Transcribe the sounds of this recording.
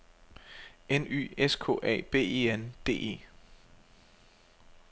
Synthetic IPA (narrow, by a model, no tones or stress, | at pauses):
eny̰ːeskʰɔ̰̽ːʔɛ̰ːb̥e̝̰ːeːend̥e̝̰ːe̝̰ː